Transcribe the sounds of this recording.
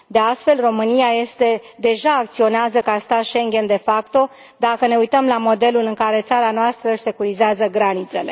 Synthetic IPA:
d̪e̞ast̪fe̞lro̞mɨnijaje̞st̪e̞d̪e̞ʒaːk̚t̪sio̞neazəkast̪at̪ʃe̞ŋɡʲe̞nd̪e̞fakt̪o̞ | d̪akəne̞ujt̪əmlamo̞d̪e̞lulɨŋkaɾe̞t̪saɾanoast̪ɾəse̞kuɾizeazəɡɾanit̪se̞le̞

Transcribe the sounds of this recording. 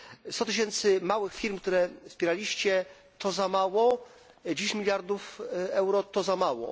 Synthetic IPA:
st̪ɔt̪ɘɕ̬ɛnt̪sɘmawɘxfʲiɾmkt̪uɾɛfspʲɛɾalʲiɕt͡ɕɛ | t̪ɔzamawɔ | d͡ʑeɕmʲilʲjaɾd̪ufɛwɾɔt̪ɔzamawɔ̰

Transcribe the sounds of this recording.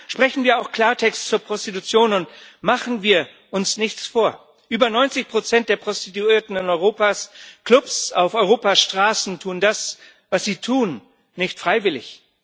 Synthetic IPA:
ʃpʁ̥ɛçn̩viːɐaʊxkl̥aːɐtʰɛkstt͡suːɐpʁ̥ɔstitut͡sjoːnʊntmaχn̩viːɐ | ʔʊnsnɪçt͡sfoːɐ | ʔyːbɐnɔʏnt͡sɪçpʁ̥ot͡sɛnt̚d̥eːɐpʁ̥ɔstituiːɐtn̩ɪnɔʏʁoːpaːsklʊpsaʊfɔʏʁ̞oːpaʃtʁ̥aːsn̩tʰuːndas | vasz̥iːtʰuːn | nɪçtfʁ̥aɪvɪlɪ̰ç

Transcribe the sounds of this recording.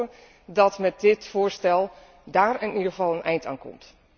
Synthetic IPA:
ə | dɔtmɛt̚dɪtfʊːɹstɛlˠ | daːɹənidɣəvɑlˠənʔɛjnta̰ːnkɔ̰mt

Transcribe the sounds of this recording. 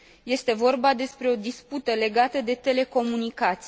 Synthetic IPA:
je̞st̪e̞vo̞rbad̪e̞spɾe̞o̞d̪isput̪əle̞ɡat̪əd̪e̞t̪e̞le̞ko̞munikat̪s

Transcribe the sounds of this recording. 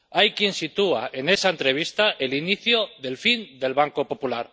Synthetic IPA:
ajkje̞nsit̪ua̰ʔe̞ne̞saent̪ɾe̞β̞ist̪aʔe̞liniθjoðe̞lfind̪e̞lβaŋkopo̞pulaɾ

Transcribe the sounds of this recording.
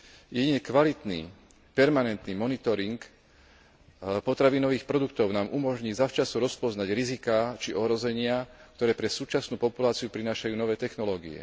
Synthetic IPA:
jɛɟiɲɛkʋalit̪nḭ | pɛɾmanɛnt̪nimɔnit̪ɔɾiŋk | pɔt̪ɾaʋinɔʋiːxpɾɔd̪ukt̪ɔʊnaːmʔumɔʒɲiːzaft͡ʃasuɾɔspɔznaɟɾizikaːt͡ʃiʔɔɦɾɔzɛɲɪak̚t̪ɔɾɛːpɾɛsuːt͡ʃasnuːpɔpulaːt͡siupɾinaːʃajuːnɔʋɛːt̪ɛxnɔlɔːɡiɛ̰

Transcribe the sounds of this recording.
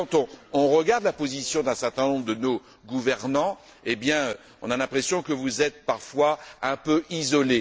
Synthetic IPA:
kɑ̃t̪ɔ̃ːʁəɡaʁd̪lapozisjɔ̃d̪ɛ̃sɛʁt̪ɛ̃nɔ̃bʁd̪əno | ɡuvɛʁnɑ̃ | ebjɛ̃ø | ɔ̰̃nalɛ̃pχesjɔ̃kəvuzɛt̪̚paʁfwaɛ̃pøizɔle

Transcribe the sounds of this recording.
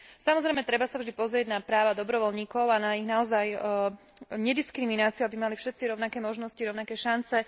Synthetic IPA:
samɔzɾɛjmɛt̪ɾɛbasavʒd̪ipɔzɾɪɛɟnapɾaːʋad̪ɔbɾɔʋɔlɲiːkɔʊanaiɣnaɔzaj | ɲɛd̪iskɾiminaːt͡siuabimalifʃɛt̪t͡siɾɔʊnakɛːmɔʒnɔsciɾɔʊnakɛːʃant͡sɛ

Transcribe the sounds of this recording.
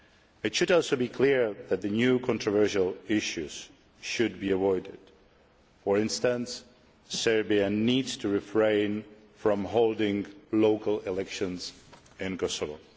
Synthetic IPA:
ɨtʃɨɾɔlˠsoʊbikʰl̥ɪɹðɨt̪̚ðɨnjʉkʰɔ̃ntʰɹ̥ɔvɜ˞ʃəlˠɪʃʉz̥ | ʃɨd̚biəvɔɪdɪ̰d̥ | fəɹɪ̃nstə̃nsː | ɛ˞biɨnidz̥tʰɨɹɪfɹẽɪ̃n | fɹɔ̃mɦoʊlˠdɪ̃ŋloʊkəlˠɪlɛkʃɨ̃nz | ɪ̃nkɔsəvo̰

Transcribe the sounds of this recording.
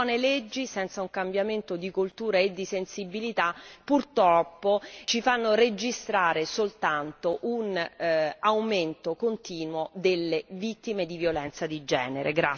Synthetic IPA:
ɔneled͡ʒːisɛnt̪sauŋkambjament̪od̪ikult̪uːɾaed̪ːisensibilit̪apːurt̪ɾɔpːot͡ʃifanːored͡ʒist̪ɾaːɾesolt̪ant̪oʔun | awment̪okont̪iːnwod̪elːevit̪ːimed̪ivjolɛnt̪sad̪id͡ʒɛ̰ːneɾʔeɡɾa

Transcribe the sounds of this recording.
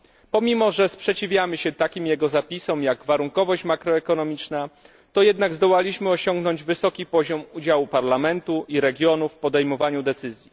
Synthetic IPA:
pɔmʲimɔʐɛspʂɛt͡ɕivʲjamɘɕɛt̪akʲimjɛɡɔzapʲisɔmjaɡvaɾuŋkɔvɔɕt͡ɕmakɾɔɛkɔnɔmʲit͡ʂna | t̪ɔjɛd̪naɡzd̪ɔwalʲiɕmɘɔɕɔŋɡnɔɲd͡ʑvɘsɔkʲipɔʑɔmud͡ʑawupaɾlamɛnt̪uʔiɾɛɡʲjɔnufːpɔd̪ɛjmɔvaɲud̪ɛt̪sɘzʲji

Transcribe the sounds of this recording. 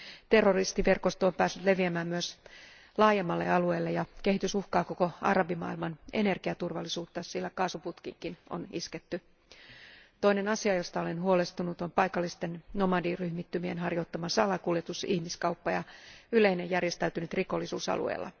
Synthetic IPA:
t̪e̞rːorist̪iʋe̞rkost̪oompæːsːyt̪le̞ʋiæmæːmmyøs | lɑːjemːɑlːe̞̰ɑlueːlːejɑke̞hit̪ysuhkɑːko̞ko̞ɑ̰rɑbimɑ̰ːilmɑne̞̰ne̞rɡiæt̪urʋɑlːisuːt̪ːɑssilːækɑːsuput̪kḭŋkino̞̰nḭsket̪ːy | t̪o̞ine̞nɑsiɑjo̞st̪ɑole̞nɦuolest̪unut̪ompɑjkɑlːist̪enno̞mɑdiːryhmit̪ːymienɦɑrjo̞t̪ːɑmɑsɑlɑkuljet̪usihmiskɑwpːɑjɑyle̞ine̞jærjest̪æyt̪ynyt̪riko̞lːisṵːsɑ̰lṵḛilːɑ̰

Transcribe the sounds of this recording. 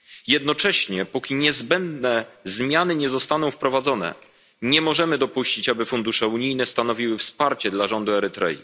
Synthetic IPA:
jɛd̪nɔt͡ʂɛɕɲɛpɔkʲiɲɛzbɛnd̪nɛzmʲjanɘɲɛzɔst̪an̪ɔ̃w̃fpɾɔvad̪zɔnɛ̰ | ɲɛmɔʐɛmɘd̪ɔpuɕt͡ɕit͡ɕabɘfund̪uʂɛuɲijnɛst̪anɔvʲiwɘfspaɾt͡ɕɛd̪laʐɔnd̪uɛɾɘt̪ɾɛ̰jḭ

